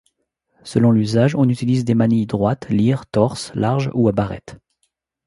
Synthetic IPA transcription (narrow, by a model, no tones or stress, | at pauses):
səlɔ̃lyzaʒɔ̃nyt̪ilizd̪emanid̪ʁwat̪liʁt̪ɔʁslaʁʒuabaʁɛ̰t̪